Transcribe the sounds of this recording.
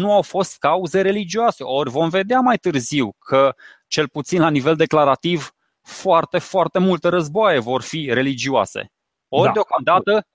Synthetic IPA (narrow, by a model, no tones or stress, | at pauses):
nuawfo̞st̪̚kauzeɾe̞lid͡ʒioase̞ʔo̞rʲvo̞mve̞d̪eamajt̪ɨrziwkʰə | t͡ʃe̞lput̪sinlanive̞ld̪e̞klaɾat̪iv | foart̪e̞foart̪e̞mult̪əɾəzboaje̞vo̞rfiɾe̞lid͡ʒioa̰sḛ | o̞reo̞kamd̪at̪ə